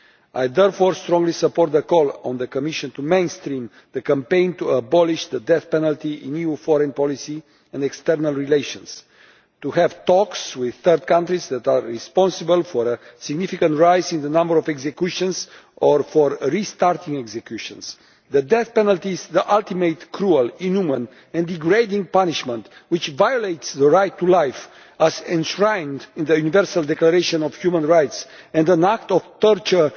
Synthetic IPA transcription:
ajðɛɹfɔɹst̪ɾɔ̃ŋɡlisəpɔɾt̪̚ðəkɔlɔ̃nðəkomiʃə̃nt̪umẽj̃nst̪ɾĩm | ðəkə̃mpẽɪ̃nt̪uəbɔliʃd̪əd̪ɛθpɛnəlt̪iḭ̃njufɔɾɛ̃npɔlisi | ɛ̃nd̪ɛkst̪ɛɾnalˠɹilejʃə̃ns | t̪uɦɛvt̪ɔkswið̥θəɾd̪̚kãnt̪ɾizðɛt̪aːispɔ̃nsəbəlfɔɾəsiɡnifikə̃nt̪ɹajzĩnðənãmbəɾɔvɛɡzekjuʃə̃nsɔɹfɔɹɹist̪aɾt̪ĩŋɛɡzekjuʃɔ̃ns | ðəd̪ɛθpɛnalt̪izðiʔalt̪imet̪kʰɾualĩnumə̃n | ɛ̃nd̪iɡɹed̪ĩŋpaniʃmə̃nt̪wit͡ʃvajolejt̪sðəɹajt̪ːulajf | æzɛ̃nʃɹãj̃ndĩnðəjunivɛɹsald̪ɛklaɾeʃɔ̃nɔv̥hjumə̃nɹajtsɛ̃nd̪ə̃nak̚t̪ɔvt̪əɾt͡ʃə

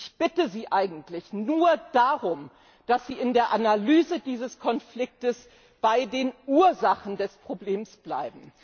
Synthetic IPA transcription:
çb̥ɪtəziːʔaɪɡŋ̩tlɪçnuːɐd̥aʁʊm | d̥asz̥iːɪndeːɐʔanalyːzədiːzəskʰɔnflɪk̚təs | b̥aɪdeːnuːɐzaχn̩dɛspʁ̥obleːmsb̥la̰ɪbm̩

